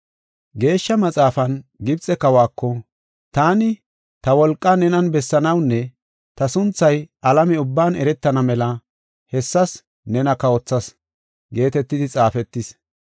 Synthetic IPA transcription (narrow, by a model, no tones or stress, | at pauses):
ɡe̞ːʃːɐmɐt͡sʼaːfɐnɡɪbt͡sʼɛkɐwaːkːɔ | t̪aːnɪ | t̪ɐwɔlkʼːɐnɛnɐnbɛsːɐnɐwnːɛ | t̪ɐsʊnt͡sːɐjɐlɐmɛʊbːaːnɛɾɛt̪ːɐnɐmɛlɐ | hɛsːɐs | nɛnɐkɐɔt͡sːɐs | ɡe̞ːt̪ɛt̪ːɪd̪ɪt͡sʼaːfɛt̪ːɪs